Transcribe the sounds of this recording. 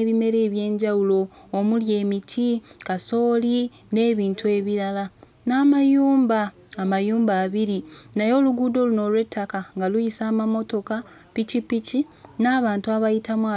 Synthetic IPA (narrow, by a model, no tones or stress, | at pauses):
eβime̞ɾe̞ːβje̞ːɲɟawulo̞ːmulje̞ːmitʰikaso̞ːli | ne̞ːβiːntue̞βiɾala | naːmajuːmbaː | majuːmbaːβiɾinajo̞ːluɡuːdo̞ːluno̞lwe̞tːakaŋɡalujisaːmamo̞to̞ka | picipici | naːβaːntuaβajitamwa